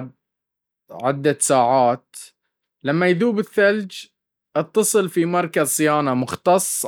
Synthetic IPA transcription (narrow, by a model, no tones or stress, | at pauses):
ʕɪd̪ːasaːʕaːt̪ | lamːajðuːbɪθːald͡ʒ | ʔɨt̪ːɑsˤɨlfimɑɾˤkasˤɨjaːnamʊxt̪ɑsˤː